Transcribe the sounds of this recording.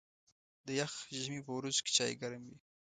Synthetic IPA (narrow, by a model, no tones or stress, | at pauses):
d̪əjaxʒmipəwɾuz̥ke̥t͡ʃɑjḛɡaɾamwi